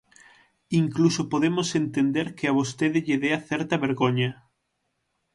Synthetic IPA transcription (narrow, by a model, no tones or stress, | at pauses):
iŋklusopoðemʊsent̪end̪eɾkɪaβost̪eðɪʎɪðeaθɛɾt̪ɐβeɾɣoɲɐ